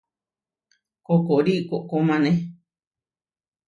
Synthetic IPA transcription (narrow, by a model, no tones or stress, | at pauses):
kokoɾiʔkoʔkomãnẽ